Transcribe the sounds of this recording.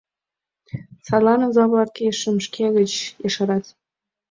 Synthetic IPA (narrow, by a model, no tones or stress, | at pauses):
sɑlɑnozɑβlɑt̪̚keʃəmʃkʰeɣət͡ɕjeʃɑɾɑt̪